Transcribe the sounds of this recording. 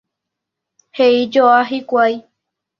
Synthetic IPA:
heid͡ʒoaɦikʷaj

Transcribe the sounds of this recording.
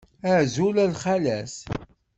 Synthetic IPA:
æʕzulælχælæs

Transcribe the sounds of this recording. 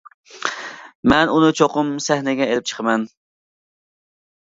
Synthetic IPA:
mɛnunɨt͡ʃʰoqʊmsɛhnɪɡʲɛelɪp̚t͡ʃʰə̥qʰmɛn

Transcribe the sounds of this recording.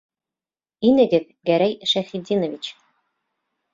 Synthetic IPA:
inɘ̆ɡɘ̆ð | ɡæɾæjʃæχid̪ʲinŏvʲit͡ɕ

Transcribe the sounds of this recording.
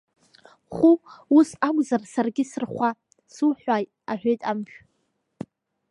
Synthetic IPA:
χʷuusakʷʼzarsarɡʲɪsɨrχʷa | suħʷajʼ | aħʷᶣejtʼampᶣ

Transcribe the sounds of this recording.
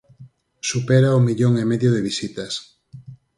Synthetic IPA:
supɛɾaomiʎoŋemeðjoðɪβisit̪ɐs

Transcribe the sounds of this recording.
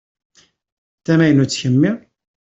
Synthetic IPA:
θæmæjənut͡sːçəmːi

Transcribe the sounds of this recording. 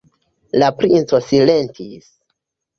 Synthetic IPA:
lapɾint͡so̞sile̞ntʰis

